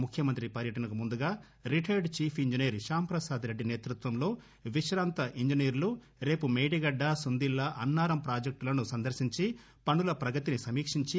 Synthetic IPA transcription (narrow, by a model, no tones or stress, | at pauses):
mukʰːjɐmɐnt̪ɾipɐɾjɐʈɐnɐkumund̪uɡaː | ɾiʈʰɐɾɖt͡ʃiːpʰiɲd͡ʒiniːɾʃaːmpɾɐsaːd̪ɾe̞ɖːine̞ːt̪ɾut̪ʋɐmlo̞ː | ʋiʃɾaːnt̪ɐʔiɲd͡ʒiniːɾlu | ɾe̞ːpumeːɽiɡɐɖːɐsund̪ilːɐʔɐnːaːɾɐmpɾaːd͡ʒek̚ʈlɐnusɐnd̪ɐɾʃiɲt͡ʃi | pɐɳːulɐpɾɐɡɐt̪inisɐmiːkʂiɲt͡ʃi